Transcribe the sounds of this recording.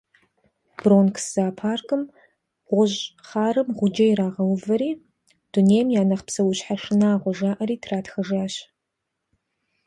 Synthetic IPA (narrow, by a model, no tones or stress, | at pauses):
b̥roːnkʰsz̥aːpʰaːrkʼɨm | ʁʷʊʑχaːrɨmʁʷʊd͡ʒɐjɪɾaːʁɐwʊvɐɾiː | d̥uneːjmjaːnɐχpsɐwʊɕħaʂɨnaːʁʷɔʒaːʔɐɾiːtʰraːtxɐʒaːɕ